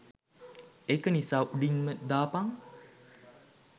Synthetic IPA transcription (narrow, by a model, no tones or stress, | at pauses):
ekənisaːʔuɖinməd̪aːpaŋ